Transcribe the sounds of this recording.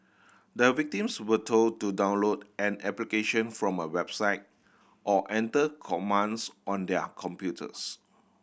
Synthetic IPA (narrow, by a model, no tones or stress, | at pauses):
dəvik̚tĩmswətʰod̚tudãʊ̃nlodɛ̃nɛplikeʃə̃nfɹɔ̃məwɛbsaɪt̚ | ʔɔʔɛ̃ntəkʰɔmãnsʔɔ̃ndɛkʰɔ̃mpjutʰə̰s